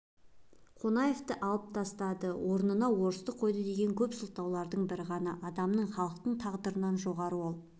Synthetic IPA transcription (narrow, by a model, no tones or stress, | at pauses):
qʰo̞nɑje̞ft̪əʔɑlˠəp̚t̪ʰɑst̪ɑd̪əwʔo̞ɾnənɑwo̞ɾəst̪əqʰo̞jd̪əd̪e̞ɡʲe̞ŋkʲʰɵpsʊlˠt̪ɑwlˠɑɾd̪əɴbɪɾɪʁɑnɑʔɑd̪ɑmnəɴχɑlˠəqt̪əɴt̪ʰɑʁd̪əɾənɑnʒo̞ʁɑɾəwo̞lˠ